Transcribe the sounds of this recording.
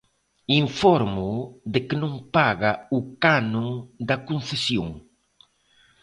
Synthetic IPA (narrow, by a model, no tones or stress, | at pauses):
iɱfɔɾmud̪ɪkɪnõŋpaɣɐukanõd̪ɐkũn̟θesjo̰ŋ